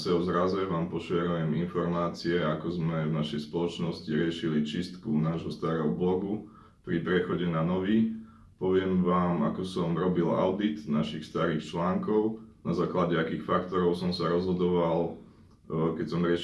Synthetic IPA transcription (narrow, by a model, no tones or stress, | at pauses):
sɛɔzɾazɛʋaːmpɔʃɪɛɾujɛminfɔɾmaːt͡siɛakɔzmɛvnaʃɛjspɔlɔt͡ʃnɔsciɾɪɛʃilit͡ʃist̪kunaːʒɦɔst̪aːɾɛɦɔblɔɡu | pɾipɾɛxɔɟɛnanɔʋi | pɔʋɪɛmʋaːma̰kɔsɔmɾɔbila̰ʊd̪it̪naʃixst̪aɾiːxt͡ʃlaːŋkɔʊnazaːklaɟɛakiːxfakt̪ɔɾɔʊsɔmsaɾɔzɦɔd̪ɔʋal | kɛcsɔmɾɪɛ